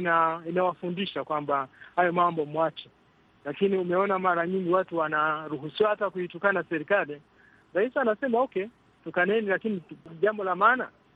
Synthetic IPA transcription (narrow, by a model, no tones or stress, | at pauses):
nainawafundiʃakwambahajɔmambɔmwat͡ʃɛ | lakiniumɛɔnamaɾaɲiŋɡiwatuwanaɾuɦusiwahatakuitukanasɛɾikali | ɾaisianasɛmaɔkɛ | tukanɛnilakiniʄambɔlamaːna̰